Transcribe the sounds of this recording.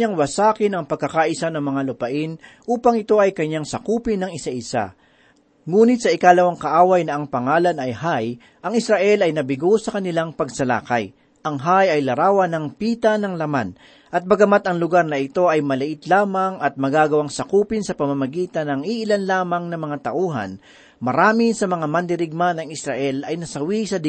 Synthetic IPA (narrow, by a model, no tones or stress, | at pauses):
ɲaŋwɐsaːkɪnɐŋpɐɡ̚kːɐkaʔɪsanɐŋmɐŋalʊpɐʔɪnʔuːpɐŋɪt̪o̞ʔɐjkɐɲːaŋsɐkuːpɪnːɐŋɪsaʔɪsa̰ | ŋuːnɪt̪̚sɐɪkaːlɐwaŋkɐʔaːwɐjnɐʔɐŋpɐŋaːlɐnɐjhaj | ʔɐŋɪsɾɐʔɛlɐjnɐbɪɡosɐkɐnɪlaŋpɐɡsɐla̰ːkɐj | ʔɐŋɦajɐjlɐɾaːwɐnɐŋpiːt̪ɐnɐŋlɐman | ʔɐt̪̚bɐɡɐmat̪ɐŋlʊɡaɾnɐɪt̪o̞ʔɐjmɐlɪʔɪt̪laːmɐŋɐt̪̚mɐɡaːɡɐwaŋsɐkuːpɪnsɐpɐmamɐɡiːt̪ɐnɐŋiʔɪlanlaːmɐŋnɐmɐŋat̪ɐʔuːɦɐ̰n | mɐɾaːmɪsɐmɐŋamand̪ɪɾɪɡ̚manɐŋɪsɾɐʔɛlʔɐjnɐsɐwisɐd̪ɪ